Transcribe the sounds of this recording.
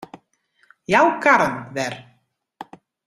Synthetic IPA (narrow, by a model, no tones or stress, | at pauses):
jawkaɾənʋɛr